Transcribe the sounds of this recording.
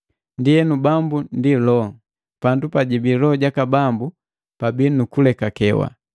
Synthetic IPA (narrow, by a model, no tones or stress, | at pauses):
ndiɛnubambundilɔŋ | pandupaɟibilɔɟakabambu | pabinukulɛkakɛwa̰